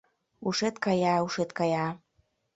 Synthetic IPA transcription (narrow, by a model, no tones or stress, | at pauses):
uʃet̪kɑjɑuʃet̪kɑjɑ